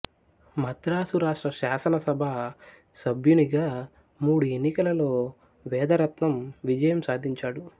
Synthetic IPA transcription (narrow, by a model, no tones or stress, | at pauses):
mɐd̪ɾaːsuɾaːʂʈɾɐʃaːsɐnɐsɐbʱa | sɐbʱjuniɡaː | muːɽuenːikɐlɐlo̞ː | ʋɛːd̪ɐɾɐt̪nɐmʋid͡ʒɐjɐmsaːd̪ʱiɲt͡ʃaːɽu